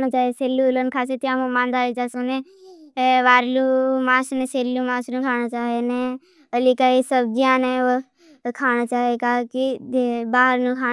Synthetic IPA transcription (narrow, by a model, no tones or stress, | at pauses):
nat͡ʃaːɦeseːlulənkʰaːset̪ijãːmũmãːnd̪aːlit͡ʃaːsunẽ | ʋaːɾluːmãːsnẽseːlːuːmãːsnũkʰaːnat͡ʃaːɦenẽ | əlikaːisəb̚d͡ʒijãːneo | kʰaːñaːt͡ʃaːɦekaːkibaːɦəɾnũkʰaː